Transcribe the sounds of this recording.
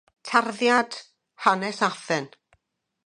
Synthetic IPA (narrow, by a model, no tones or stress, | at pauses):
tʰarðjad̥ | hanɛsaθɛn